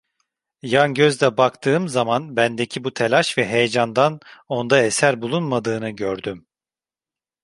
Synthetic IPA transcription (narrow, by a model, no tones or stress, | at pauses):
janɟøzd̪ɛbakt̪ʰɯːmzamanbænd̪ecʰibut̪ʰelʲaʃvɛɦe̞jed͡ʒand̪ano̞nd̪aesæɾbulˠunmad̪ɯːnɯɟøɾd̪ym